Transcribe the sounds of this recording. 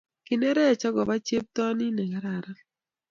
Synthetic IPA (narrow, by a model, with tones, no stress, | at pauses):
kɪ˨nɛ˦ɾɛ˦˨t͡ʃɔ˦ɡɔ˨ba˦t͡ʃe˦p̚t̪ɔ˦nɪ˦nɛ˨ɡa˦ɾa˨ɾa˦